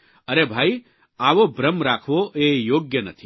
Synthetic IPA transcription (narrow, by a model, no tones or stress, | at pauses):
əɾebʱaːi | aːʋobɾəmɾaːkʰʋoʔejoːɡjənə̰t̪ʰi